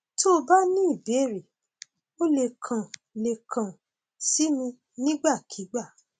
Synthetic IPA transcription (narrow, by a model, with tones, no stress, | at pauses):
to˦˧ba˦nĩ˦i˦˨be˨˦˨ɾi˨ | o˦le˧˨kʰã˨ | le˨kʰã˨ | si˦mĩ˧ | nĩ˦ɡ͡ba˦˨kʰi˨˦ɡ͡ba˦˨